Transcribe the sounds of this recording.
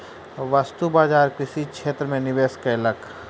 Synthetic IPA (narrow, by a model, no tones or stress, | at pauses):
ʋəst̪ubaːd͡ʒaːɾkɾɪʃikʃeːt̪ɾəmẽnɪʋeːskeɪlək